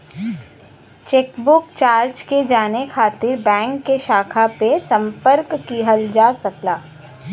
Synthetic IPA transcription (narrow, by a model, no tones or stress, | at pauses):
t͡ʃeːkbʊkt͡ʃaːɾd͡ʒked͡ʒaːnekʰaːt̪ɪɾbɛ̃ːŋkːeʃaːkʰapesɐ̃mpəɾkːiɦəld͡ʒaːsɐklaː